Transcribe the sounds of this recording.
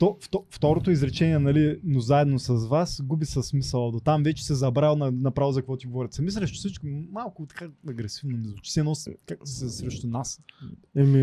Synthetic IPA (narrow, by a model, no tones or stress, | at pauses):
t̪ɔft̪ɔft̪ɔɾot̪oizɾɛt͡ʃɛniɛnɐlinozaɛd̪nosɐzvasɡubisɐsmisɐlˠɐd̪ot̪amvɛt͡ʃɛ̥sɛzɐbɾanɐnɐpɾavozɐkvɔt̪iɡovɔɾɛt̪sɛmis̬ɾɛʃt̪ʊ̥sit͡ʃkimːalˠkʊt̪ɐ̥kaɐɡɾɛsivnomizot͡ʃi̥sɛnɔskasɛsɾɛʃt̪ʊnasɛmi